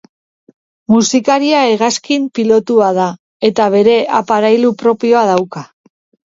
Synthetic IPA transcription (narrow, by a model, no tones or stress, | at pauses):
musikaɾiaeɣaskimpilo̞t̪uað̞a | e̞t̪aβ̞e̞ɾe̞ʔapaɾajlupɾo̞pio̞að̞awka